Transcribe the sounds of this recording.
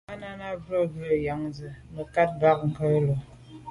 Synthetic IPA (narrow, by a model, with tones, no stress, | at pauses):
a˦na˦na˦bɔ˦ɡə˦ə˨ja˨ŋzɨ˨nə˨ka˦t̚ɡa˦k̚ŋ̩˨kə˦lo˨